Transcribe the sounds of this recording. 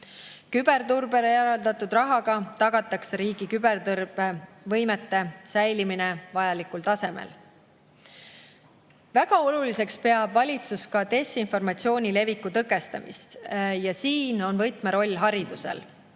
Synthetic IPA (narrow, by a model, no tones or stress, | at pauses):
kyb̥e̞rt̪urbe̞lejæɾɑld̪ɑt̪ːˑud̪rɑɦɑɡɑt̪ɑɡ̥ɑt̪ːˑɑksɾiːɡikyb̥e̞rt̪ɤrb̥e | vɤjmet̪ːe̞sæjliminevɑjɑlikult̪ɑse̞mḛl | væɡ̥ɑo̞lulise̞kspe̞ɑbvɑlʲit̪suskɑt̪e̞sinfo̞rmɑt̪sio̞ːnʲile̞vikːut̪ɤkːe̞st̪ɑ̰mḭst̪jɑsiːno̞nvɤjt̪meɾo̞lʲːɦɑɾid̪̥use̞̰l